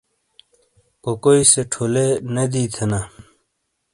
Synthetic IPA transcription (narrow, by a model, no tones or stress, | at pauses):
kokoiseʈʰolened̪iːt̪ʰena